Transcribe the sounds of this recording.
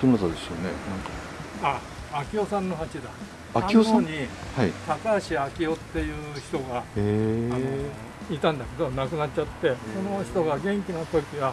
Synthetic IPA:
t̪onat̪ad̪esɨ̥jonḛnãŋka | aː | kʲio̞sãnːo̞ɦat͡ɕid̪a | aakiooaɲihaih̪akaɕiakʲio̞t̪ːe̞jɯ̟ːçi̥t̪o̞ɡaeano̞ | it̪ãnd̪ake̞d̪o̞nakɯ̟natːt͡ɕat̪ːe̞so̞no̞çi̥t̪oɡaɡẽ̞ŋkʲinapoɾʲik̪ʲiβa

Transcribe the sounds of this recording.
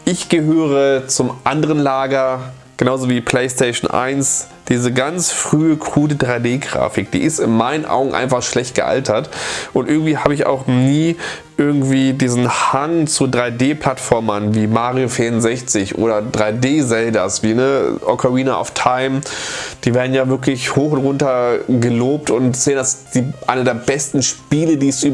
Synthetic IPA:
ʔɪçɡ̥əɦøːʁ̞ət͡sʊmʔandəʁənlaːɡɐ | ɡ̥ənaʊzoviːpʰl̥eɪstʰeɪʃn̩ʔa̰ɪns | d̥iːzəɡant͡sfʁ̥yːəkʰʁuːdədʁaɪdeːɡʁa̰ːfɪk̚d̥ḭːɪstɪnmaɪnənʔa̰ʊɡŋ̩ʔa̰ɪnfaχʃlɛçtɡ̥əʔa̰ltʰɐtʔʊntʔɪɐɡŋ̩tv̥iːhaːbəɪça̰ʊxniː | ʔɪɐɡŋ̩tv̥iːdiːzn̩haŋt͡sudʁaɪdeːpl̥atfɔɐmɐnviːmaːʁiofiːɐʊnzɛçt͡sɪçʔo̰ːɾɐdʁaɪdeːzɛldɐsv̥iːnəʔɔ̰kʰaʁiːnaʔa̰ʊftʰaɪmd̥iːveːɐdn̩jaːvɪɐklɪçhoːxʊntʁʊntɐɡəloːp̚tʊntz̥eːənasd̥iːʔaɪnədeːɐbɛstn̩ʃpiːlədiːɛsyː

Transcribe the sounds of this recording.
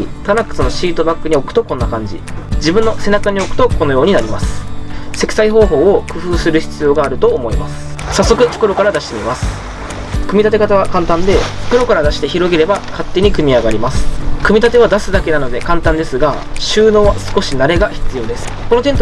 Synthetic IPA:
it̪aɾakːɯ̥sɨno̞ɕiːt̪o̞bakːɯ̟ɲ̟io̞kɯ̟t̪o̞kõ̞nːakãɲ̟d͡ʑḭd͡ʑibɯ̟nːo̞se̞nakaɲ̟io̞kɯ̟̥t̪o̞ko̞no̞jo̞ːɲ̟inaɾʲimasɨ̥se̞kʲi̥saiɦo̞ːɦo̞ːokɯ̟ɸɯ̟ːsɨɾɯ̟çi̥t͡sɨjo̞ːɡaːɾɯ̟t̪o̞ːmo̞imasɨ̥sasːo̞kɯ̟t͡ɕo̥kɯɾo̞kaɾad̪aɕit̪emʲimasɨ̥ | kɯ̟mʲit̪at̪e̞kat̪aβ̞akãnt̪ãnd̪e̞t͡ɕo̥kɯɾo̞kaɾad̪aɕi̥t̪eçiɾo̞ɡʲeɾe̞bakat̪ːe̞ɲ̟ikɯ̟mʲiaɡaɾʲimasɨ̥kɯ̟mʲit̪at̪e̞βad̪asɨd̪ake̞nano̞d̪e̞kãnt̪ãnd̪e̞sɨɡa | ɕɨːno̞ːβasɨ̥ko̞ɕinaɾe̞ɡaçi̥t͡sɨjo̞ːd̪e̞sɨ̥ko̞no̞t̪e̞nt̪o

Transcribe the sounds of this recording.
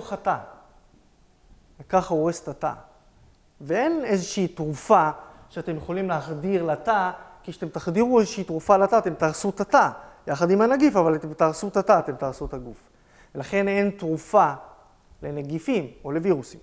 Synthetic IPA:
χata | vekaχaoʁest̪ata̰ | vee̞ne̞zeʃiitʁufaʃeat̪e̞mjeχolimleaχd̪iʁlatakiʃat̪e̞mtaχd̪iʁuezeʃiitʁufalat̪at̪emtaʁsut̪atajaχad̪imanaɡifavalat̪emtaʁsutataːt̪e̞mt̪aʁsut̪aɡuf | velaχe̞ne̞ntʁufa | le̞naɡifimo̞le̞viʁusim

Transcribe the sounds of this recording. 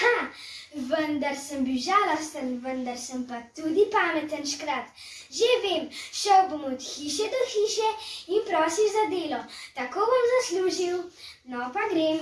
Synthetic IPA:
ha | ʋənd̪aɾsəmbiwʒaːlɔst̪ənʋənd̪aɾsəmpat̪ud̪ipaːmɛt̪ənʃkɾat̪ | ʒeʋeːmʃəwbomɔt̪xiːʃɛd̪ɔxiːʃɛinpɾɔːsiwzad̪eːlɔt̪akoːʋɔmzasluːʒiwnɔpaɡɾem

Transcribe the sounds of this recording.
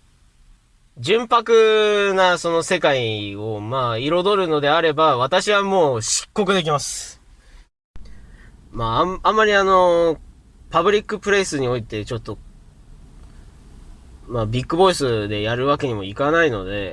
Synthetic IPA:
d͡ʑɨ̃mpakɯ̟naso̞no̞se̞kaio̞maːiɾo̞d̪o̞ɾɯ̟no̞d̪e̞aɾe̞baβ̞at̪aɕiβamo̞ːɕi̥kːo̞kɯd̪e̞k̬ʲimasɨ̥ | maãmːaɾʲiano̞ | pabɯ̟ɾʲikːɯ̟pɯ̟ɾe̞sɨɲ̟io̞it̪e̞t͡ɕo̞t̪ːo̞ | mabʲikːɯ̟bo̞isɨd̪e̞jaɾɯ̟βake̞ɲ̟imo̞ikanaino̞d̪e̞

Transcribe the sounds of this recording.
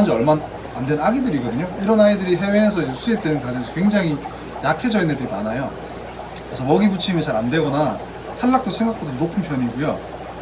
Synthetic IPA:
and͡ʑɯʌɭman | andwe̞naɡidɯɾiɡʌdɯɲoiɾʌnaidɯɾiɦe̞we̞ːsʰʌid͡ʑe̞sʰuip̚t͈wenɯnkad͡ʑʌŋsʰʌ̥kwe̞ŋd͡ʑaŋɦi | jakʰe̞d͡ʑʌinedɯɾimanajo | kɾesʰʌmʌɡibut͡ɕʰimit͡ɕʰaɾande̞ɡʌna | tʰaɭːak̚t͈osʰe̞ŋɡakp͈ʰodonopʰɯnpʰjʌɲiɡujo

